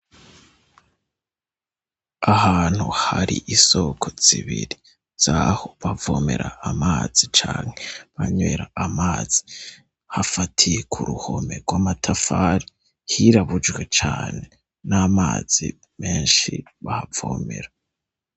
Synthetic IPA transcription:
ahaːn̥huhaɾiʔiso̞kʰoz̥iβiɾi | z̥aho̞βavo̞ːme̞ɾaːmaːz̥it͡ʃaːŋheβaɲwe̞ɾaamaːz̥i̥ | hafatʰijekʰuɾuho̞me̞ɾɡwamatʰafaɾi | hiɾaβud͡ʒɡwe̞t͡ʃaːne̞ | namaːz̥ḭ | me̞ːnʃḭ | βahavoːme̞̰ɾa

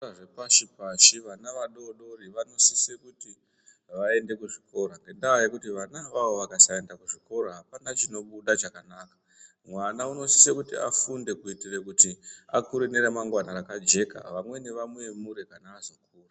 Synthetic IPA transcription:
ʐepaʃipaʃiʋanaʋaɗo̞ɗo̞riʋano̞sisekuti | ʋae̞nde̞kuʐiko̞ɾaŋɡe̞ndawajekutiʋanaʋaʋo̞ʋakasae̞ndakuʐiko̞ɾoɦapanat͡ʃino̞ɓuɗat͡ʃakanaːkḁ | mwanauno̞si̥sekutḭa̰funde̞kuitirekutiakuɾiniɾemaŋɡwanaɾakad͡ʒe̞ka̰ʋamwe̞ne̞ʋamwe̞muɾe̞kanaːzo̞k̚uːra

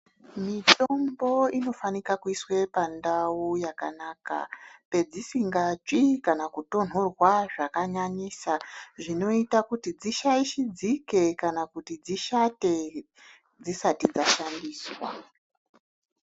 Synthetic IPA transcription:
mitombo̞ino̞fanikakuiswe̞pandaujakanaːka̰pe̞d͡zisiŋɡat͡ʂikanakuto̞n̤orwaʐakaɲaɲisaʐino̞itakutid͡ziʃaiʃid͡zike̞kanakutid͡ziʃate̞ | d͡zisatid͡zaʃandiːswa̰

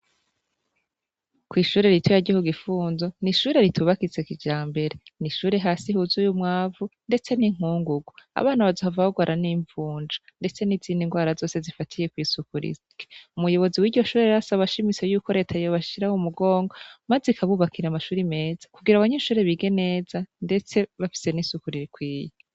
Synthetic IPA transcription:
kwiːʃuːɾe̞ɾitʰojaɾɟihoɡifuːnzo̞niʃuːɾe̞ɾitʰuβakit͡sekid͡ʒaːmbe̞ɾeniʃuːɾe̞ɦaːsihuzujumŋaːvunde̞t͡se̞niŋ̥uːŋɡuɡwoa̰βaːnaβazohavahoɡwaɾʔaniːɱvuːɲd͡ʒande̞t͡se̞niziːndiŋɡwaːɾazo̞ːse̞zifatʰije̞kwiːsukuɾḭs | ke̥umujo̞βo̞ziwiːɟɟo̞ʃuːɾeɾasaβaʃimit͡se̞juːko̞ɾe̞ːtʰajoβaʃiɾahumuɡo̞ːŋɡo̞mazikʰaβuβakʰiɾamaʃuːɾime̞ːz̥ḁkuɡiɾaβaɲeʃuːɾe̞βiɡe̞ne̞ːzande̞t͡se̞βafi̥se̞nisukuɾiɾikwiːjo

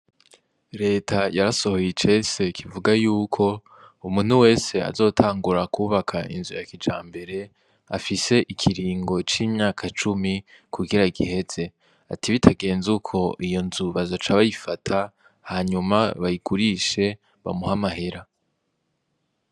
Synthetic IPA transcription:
ɾe̞ːtʰajaɾaso̞hojit͡ʃe̞se̞kʰivuɡajuːkʰo̞ | umuːn̥uwe̞ːse̞a̰zo̞ːtʰaːŋɡuɾakuːβakʰaʔḭnzujakid͡ʒa̰ːmbe̞ɾe̞ | a̰fise̞ʔikʰiɾiːŋɡo̞t͡ʃiːmɲaːkʰat͡ʃumikʰuɡiɾaiɡḭhe̞z̥e̞ | a̰tʰiβitʰaɡe̞ːnzukʰo̞ʔijo̞nzuβazot͡ʃaβajifatʰa | haːɲumaβajiɡuɾiʃe̞ | βa̰muhamaɦe̞ɾa

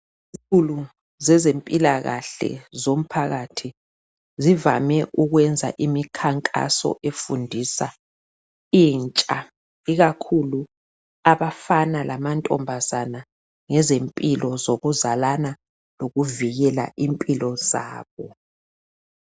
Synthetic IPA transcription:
izulu | zɛzempʼilaɣa̰ɬɛ̰zom̩pʰaɣatʰi | zivamɛʔuɣwɛnd͡zʱa̰ʔimikʰaŋkʼa̰sɔ̰ʔefundʱisa̰ | iːnt͡ʃʼa | iɣakʰulu | aβafanalʔamantʼɔmbʱazana | ŋɛzempʼilɔzoɣuzalana | loɣuviɣɛla̰ʔimpʼilɔz̥a̰ːβɔ

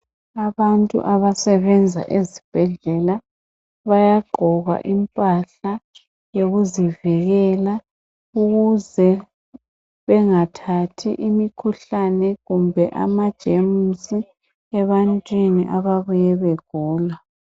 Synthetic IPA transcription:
aβantʼṵʔaβasɛβɛnd͡zʱa̰ʔezib̥ʱɛɮɛla | βajaɡ͡ǃʱɔɣa̰ʔimpʼaɬa | joɣuzivɛɣɛla | uɣuzɛ | βɛŋatʰatʰiʔimikʰuɬanɛɣumbʱɛʔa̰mad̥ʒ̥ʱemusi | ɛβantʼwinḭʔaβaβujɛβeɡ̥ʱuːla

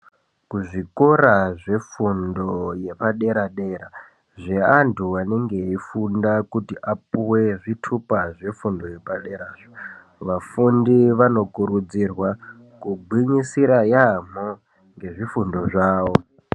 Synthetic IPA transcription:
kuʐikoɾaʐe̞fundo̞je̞paɗe̞ɾaɗe̞ɾa | ʐeantʰuane̞ŋɡe̞ifundakutiʔapuwe̞ʐitʰupaʐe̞fundo̞je̞paɗe̞ɾaːʐo | ʋafundiʋano̞kuɾud͡zirwa | kuɡ͡bʱiɲisiɾajam̤o | ŋɡe̞ʐifundo̞ʐaːwo̞

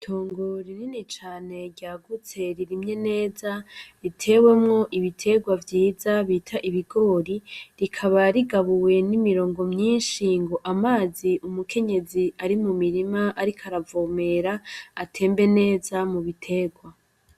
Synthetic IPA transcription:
tʰo̞ːŋɡo̞ɾininit͡ʃaːne̞ɾɟaːɡut͡se̞ɾiɾimɲe̞ne̞ːzaɾitʰe̞we̞mŋo̞ʔiβitʰe̞ɡwavjiːzaβiːtʰaʔiβiɡo̞ːɾiɾikʰaβaɾiɡaβuwe̞nimiɾo̞ːŋɡo̞mɲiːnʃiːŋɡo̞ʔamaːziʔumukʰe̞ɲe̞ziaɾimumiɾimaʔaɾikʰaɾavome̞ɾaːtʰe̞ːmbe̞ne̞ːzamuβitʰe̞ɡwa

